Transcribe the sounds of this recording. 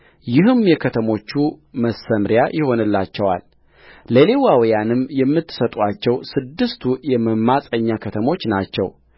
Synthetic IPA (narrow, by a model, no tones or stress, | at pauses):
jɪɦɨmjɛkʰət̪ʰəmo̞t͡ʃːuməsəmɾjajʔɪho̞nɨlːat͡ʃːɛwa̰lː | əlewawjanɨmjɛmːɨt̪ːɨ̥sət̪ʼat͡ʃːɛwsɨd̪ːɨst̪ʰujɛməmːasʼəɲːakʰət̪ʰəmo̞t͡ʃːnat͡ʃːɛ̰w